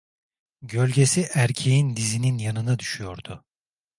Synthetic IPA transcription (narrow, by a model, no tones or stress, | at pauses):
ɟø̞lʲɟe̞siʔæɾcʰe̞jind̪izininjanɯnad̪yʃyjo̞ɾd̪ʊ